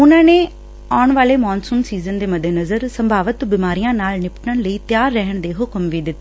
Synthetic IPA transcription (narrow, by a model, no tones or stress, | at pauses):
ʊnãːneː | aːʊɳʋaːleːmɔːnsuːnsiːzənd̪eːməd̪ʱenəzəɾsəmbʱaːʋət̪bɪmaːɾijãːnaːlnɪpəʈnəɳləiːt̪jaːɾːɛɦəɳ̃d̪eːɦʊkəmʋiːd̪ɪt̪ː